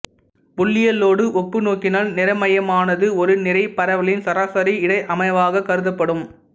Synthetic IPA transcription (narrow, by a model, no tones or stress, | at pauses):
pʊɭːɪjɐlːoːɽɯʔɔpːɯnoːkːɪnaːlnɪɾɐmɐjɐmaːnɐðɯɔɾɯnɪɾɐɪpːɐɾɐʋɐɭɪnsɐɾaːsɐɾiɪɽɐɪʔɐmɐɪʋaːɣɐkɐɾɯðɐpːɐɽɯm